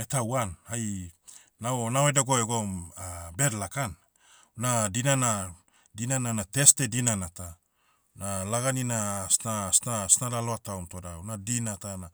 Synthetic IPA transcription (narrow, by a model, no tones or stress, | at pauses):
etawanhaj | naonawedaɡoeɡomabedlakan | nadinana | dinananate̞stedinanata | nalaɡaninasnasnasnadaloatawmtodaunadinatana